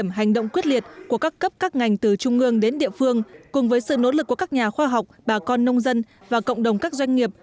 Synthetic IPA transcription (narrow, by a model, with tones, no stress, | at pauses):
əmɦa˨˩jŋ̟ɗo̰˧˨wŋ͡mkwi˦˥t̚li˨˩ət̚ku˧˩əkaː˦˥kːə˦˥p̚kaː˦˥k̚ŋa˨˩jŋ̟t̪ɨ˨˩t͡ɕʊ˧ŋ͡mʔɨ˧əŋɗe˨˦nɗḭ˧˨əfɨ˧əŋkʊ˨˩ŋ͡mvəː˨˦jsɨ̰˧˨no̰˧˥lɨ˨˩kːəkaː˦˥k̚ɲaː˨˩xwaː˧ɦa˨˩wk͡p̚ɓaː˨˩kɔ˧nːə˧wŋ͡mzə˧n | vaː˨˩ko̰˧˨wŋ͡mɗə˨˩wŋ͡mkaː˦˥k̚zwa˧jŋ̟ŋi˨˩əp̚